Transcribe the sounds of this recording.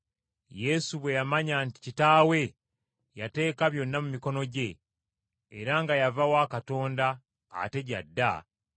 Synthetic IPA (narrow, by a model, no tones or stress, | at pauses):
je̞suβwe̞jamaɲanti̥citaːwe̞ | jate̞ːkaβjo̞nːamumiko̞no̞ɟe̞ː | ɾaŋɡajavawaːkato̞ːnda̰ː | te̞ɟadːa